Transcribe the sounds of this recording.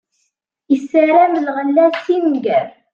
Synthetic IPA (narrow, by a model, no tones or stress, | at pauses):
isːəɾæmlʁəlːæsimɡæɾ